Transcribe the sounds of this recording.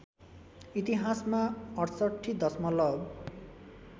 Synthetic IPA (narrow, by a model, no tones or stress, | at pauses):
it̪iɦasmaʌʈʰsʌʈʰːid̪ʌsmʌlʌb